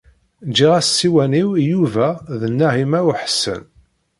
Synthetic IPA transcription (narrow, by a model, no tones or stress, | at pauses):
d͡ʒiʁæssːiwæniwjuvæðənːæɦimæwħə̥sːə̰n